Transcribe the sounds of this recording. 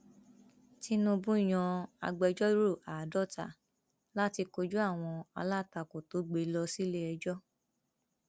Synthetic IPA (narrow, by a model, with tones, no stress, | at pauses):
ti˦nũ˧bũ˦i˦˨j̃ɔ̃˧a̰˧ɡ͡bɛ˧d͡ʒɔ˦ɾo˦˨a˨dɔ˦˨ta̰˨ | la˦ti˧ko˧d͡ʒu˦a˦˨w̃ɔ̃˧a̰˧la˦˨ta˧˨ko˨to˨˦ɡ͡be˨˧˦lɔ˧si˦le˦ɛ˧d͡ʒɔ˦